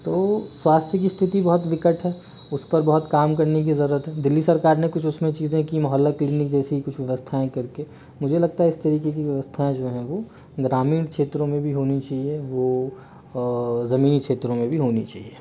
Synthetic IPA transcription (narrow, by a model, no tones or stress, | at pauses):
t̪oːswaːst̪ʰjəkist̪ʰɪt̪ibɐɦɔt̪ʋɪkəʈʰɦɛː | ʊspɐɾbɐɦʊt̪kaːmkɐɾnek̬izɐɾuːɾət̪ɦɛd̪ɪlːisɐɾkaːɾnẽkʊt͡ʃʰʊsmẽt͡ʃiːzẽkimɐɦəlːakliːnɪk̚d͡ʒɛːseikʊt͡ʃʰʋjɐʋəst̪ʰaẽkɐɾke | mʊd͡ʒʱelɐɡ̚t̪aɦɛɪst̪ɐɾiːkek̬iʋjɐʋəst̪ʰaẽd͡ʒoːɦɛ̃ʋoː | ɡɾaːmiːɽkʃeːt̪ɾõmẽbʱiɦoːnit͡ʃaːɦieʋo | zɐmiːnikʃeːt̪ɾõmẽbʱiɦoːnḭt͡ʃa̰ːɦieː